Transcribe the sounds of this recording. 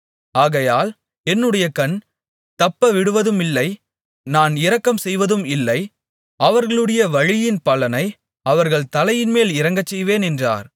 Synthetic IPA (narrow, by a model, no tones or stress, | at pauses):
aːɣɐjaːl | ɛnːɯɽɐjɐkɐn | t̪ɐpːɐʋɪɽɯʋɐðɯmɪlːɐɪ | naːnɪɾɐkːɐmsɛjʋɐðɯmɪlːɐɪ | ɐʋɐɾɣɐɭɯɽɐjɐʋɐɻɪjɪnpɐlɐnɐɪ | ɐʋɐɾɣɐɭt̪ɐlɐjɪnmeːlɪɾɐŋɡɐt͡ʃːɛjʋeːnɛndra̰ːɾ